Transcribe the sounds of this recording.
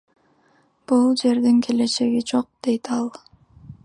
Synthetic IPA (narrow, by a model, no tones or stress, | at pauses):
b̥ulˠd͡ʒe̞ɾd̪iŋkʰe̞le̞t͡ʃe̞ɡid͡ʒo̞q̚d̪̥e̞jt̪ʰɑlˠ